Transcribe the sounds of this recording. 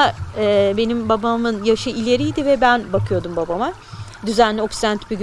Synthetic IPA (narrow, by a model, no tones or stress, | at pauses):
aɛbe̞nimbabamɯnjaʃɯilʲe̞ɾijd̪ivɛbænbakʰɯjo̞d̪umbabama | d̪yzænlʲɛoksænt̪ʰy̥pyɟ